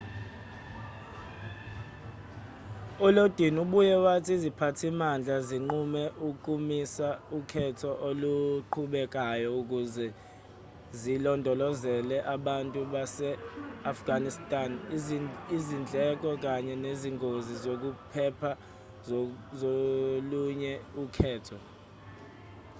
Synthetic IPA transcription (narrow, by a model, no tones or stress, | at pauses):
ulod̥ʱinuɓujɛwatʰiizipʰatʰimand͡ɮʱaziŋ͡ǃumɛʔukʼumisaukʰɛtʰɔʔoluǃʰuɓɛk̬ʼajɔuk̬uzɛ | zilɔndʱɔlɔzɛlɛʔaɓantʼuɓasɛafɡ̥ʱanistʼan | izind͡ɮʱɛk̬ʼɔk̬aɲɛneziŋɡʱozizok̬upʰɛpʰa | zoluɲɛukʰɛːtʰɔ